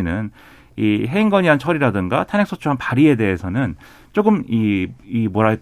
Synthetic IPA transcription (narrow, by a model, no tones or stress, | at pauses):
nɯn | iɦe̞iŋɡʌɲiant͡ɕʰʌɾiɾadɯŋɡatʰanek̚s͈ot͡ɕʰuɦanpaɾie̞de̞ɦesʰʌnɯn | t͡ɕ͈oɡɯmiimwʌɾaɭk